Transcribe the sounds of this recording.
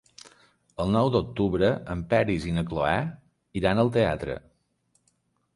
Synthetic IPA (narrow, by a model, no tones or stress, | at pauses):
əlˠnɔwd̪ok̚t̪uβɾəəmpɛɾizinəkloɛ | iɾanəlˠt̪eat̪ɾə̰